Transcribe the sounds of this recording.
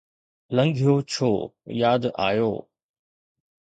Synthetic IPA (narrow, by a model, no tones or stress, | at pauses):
lə̃ŋɡʱijot͡ɕʰoːjaːd̪a̰ːjo̰ː